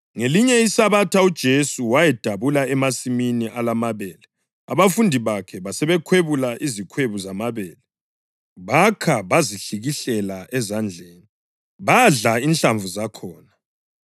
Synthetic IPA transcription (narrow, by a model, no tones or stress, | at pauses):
ŋeliɲɛisaβatʰaud̥ʒ̥ʱesuwajɛd̥ʱaβulaɛmasiminiʔalamaβɛːlɛ | a̰βafundʱiβakʰɛβasɛβɛkʰweβulaʔizikʰweβuzamaβɛːlɛ | βakʰaβaziɬiɣiɬɛlaʔɛzand͡ɮʱeːni | βaɮainɬaɱvʱuzakʰɔːna